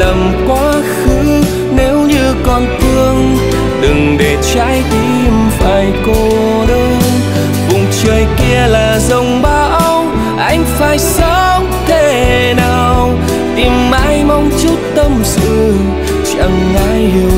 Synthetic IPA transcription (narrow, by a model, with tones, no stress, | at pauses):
lə˨˩m | kwaː˨˧˦ | xɨ˧˥ŋ | ne˨˦wɲɨ˧kɔ˧nfɨ˧əŋ | ɗɨ˨˩ŋɗe˨˩t͡ɕa̰ː˧˥jt̪i˧˩mfaː˨˩jko˧ | ɗəː˧˦n | vʊ̰˨˩ŋ͡mt͡ɕəː˧˩jki˧əlaː˨˩zə˧˩wŋ͡mɓaː˧˦w | ʔa˧jŋ̟faː˧˩jsə˧˦ | t̪e˧˩ | naː˨˩w | t̪i˨˩mʔa̰ː˧˥jma˧wŋ͡mt͡ɕu˦˥t̚t̪ə˧msɨ˧˩ | t͡ɕa˧˩ŋː | aː˧˥j